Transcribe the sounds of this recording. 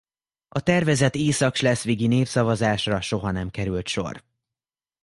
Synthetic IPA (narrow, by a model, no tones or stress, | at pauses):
ɒt̪ɛrvɛzɛt̪eːsɒkʃlɛsʋiːɡineːfsɒvɒzaːʃrɒʃo̞ɦɒnɛmkɛɾylt̪ʃo̞̰r